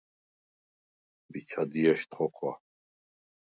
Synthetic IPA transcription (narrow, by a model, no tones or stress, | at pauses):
bit͡sʰad̪iɛʃt̪χɔqʰwa̰